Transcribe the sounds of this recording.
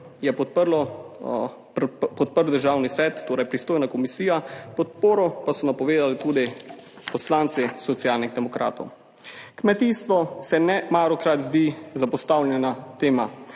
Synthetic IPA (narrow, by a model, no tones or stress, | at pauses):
jɛpɔpəɾlɔ | pɔt̪̚pəɾwd̪əɾʒaːwnisʋɛːt̪ːoːɾɛjpɾist̪oːjnakɔmisiːjapɔt̪̚poːɾɔpasɔnapɔʋeːd̪alit̪uːd̪i | pɔslaːnt̪sisɔt̪sijalnixd̪ɛmɔkɾa̰ːt̪ɔw | kmɛt̪ist̪ʋɔsɛnɛmaːɾɔkɾat̪zd̪izapɔst̪awlʲjɛnat̪eːma